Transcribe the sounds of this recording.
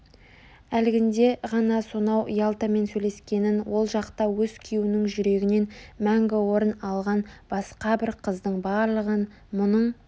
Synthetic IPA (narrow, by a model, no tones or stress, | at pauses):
ælɪɡʲɪnd̪e̞ʁɑnɑso̞nɑwʔijɑlˠt̪əme̞nsɵle̞skʲe̞nɪnwo̞lˠʒɑqt̪ɑwɵzkʲʰijuɪnɪŋʒʏɾe̞ɡʲɪne̞nmæŋɡʲɪwo̞ɾənɑlˠʁɑnb̥ɑsqɑbɪɾqʰəzd̪əɴbɑɾlˠəʁən | mʊnəɴ